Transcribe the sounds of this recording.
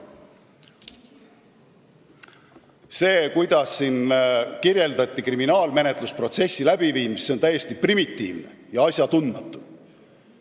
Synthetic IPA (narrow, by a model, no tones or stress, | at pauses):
se̞ːkujd̪̥ɑsːinkirje̞ld̪ɑt̪ʲˑːikriminɑːlme̞ne̞t̪ˑluspro̞t̪se̞sʲːilæb̥iviːmisːeo̞nt̪æjːe̞st̪iprimit̪ːḭːvne̞̰jɑɑsʲjɑt̪und̪mɑt̪ːˑu̥